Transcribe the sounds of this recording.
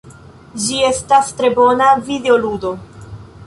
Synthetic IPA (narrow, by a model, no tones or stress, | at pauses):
d͡ʒie̞stastɾe̞bo̞navide̞o̞ludo̞